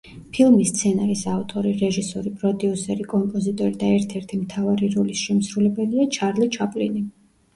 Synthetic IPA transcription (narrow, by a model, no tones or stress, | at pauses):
pʰilˠmist̪sʰɛnaɾisavt̪ʼɔɾiɾɛʒisɔɾipʼɾɔd̪iusɛɾikʼɔmpʼɔzit̪ʼɔɾid̪aɛɾt̪ʰɛɾt̪ʰimt̪ʰavaɾiɾɔlisʃɛmsɾulɛbɛliat͡ʃʰaɾlit͡ʃʰapʼlḭni